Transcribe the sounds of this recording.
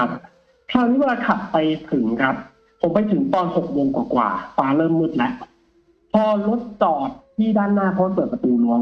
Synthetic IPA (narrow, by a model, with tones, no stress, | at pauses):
a˦˥p̚ | kʰɾaː˥˩wniː˦˥we˧laː˧kʰa˨˩p̚pa˧jt̪ʰɯ˨˩˦ŋkʰɾa˦˥p̚ʰː | o˨˩˦mpa˧jt̪ʰɯ˨˩˦ŋt̪ɔː˧nho˨˩k̚mo˧ŋkwaː˨˩kwa̰ː˨˩faː˧lɤː˥˩mːɯ˥˩t̪̚lɛ˦˥ʔ | pʰɔː˧lo˦˥t̪̚t͡ɕɔː˨˩t̪ʰːiː˥˩daː˥˩nːaː˥˩kʰɔ˦˥ma˧˩pɤː˨˩pɾa˧t̪uː˧lu˦˥ə